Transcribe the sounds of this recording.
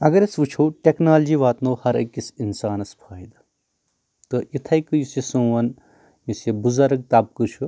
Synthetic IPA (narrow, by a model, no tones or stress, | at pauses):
ɐɡɐɾɐsʋɨt͡ʃʰɐwʈʲeknaːld͡ʒiʋaːt̪nowhɐɾɐ̰kːisinsaːnɐspʰaːjd̪ɐ | t̪ɨʔit̪ʰɐjkɨjusisũːʋɐn | jusjebuzɐɾɐk̚t̪ap̚kɨɾt͡ʃʰu